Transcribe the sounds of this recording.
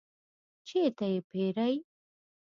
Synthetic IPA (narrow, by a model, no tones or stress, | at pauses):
t͡ʃet̪ajepeɾaj